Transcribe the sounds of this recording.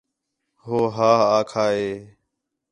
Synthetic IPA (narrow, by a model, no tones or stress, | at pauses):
ɦoːɦaːɦaːkʰaːɦeː